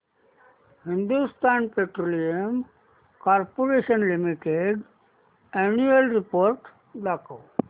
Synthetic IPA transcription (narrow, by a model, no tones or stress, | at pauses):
hĩnd̪ust̪aːnpeʈɾoːlijəm | kaːɾpoɾeːʃənlimiʈeɖ | ænjuəlɾipoːɾʈ | laːko